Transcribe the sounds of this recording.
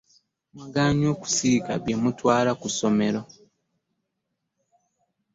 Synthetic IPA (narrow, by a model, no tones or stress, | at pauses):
mwaɡaːɲo̞ːku̥sika̰βjemutwaːlakuso̞me̞ɾo̞